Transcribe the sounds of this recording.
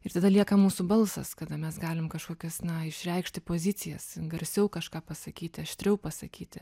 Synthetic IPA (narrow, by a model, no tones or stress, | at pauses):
ɪrt̪ɐd̪ɐlʲiɛkɐmuːsʊbɐlˠsɐ̰skɐd̪ɐmʲɛsɡɑːlʲɪmkɐʃkoːkʲɛsnɐɪʃʲrʲɛɪkʃʲt̪ʲɪpoːzʲɪt͡s̪ʲɪjɛsɡɐɾʲsʲɛʊkɐʃkɑːpɐsɐkʲiːt̪ʲɪɐʃʲt̪ʲɾʲɛʊpɐsɐkʲiːt̪ʲɪ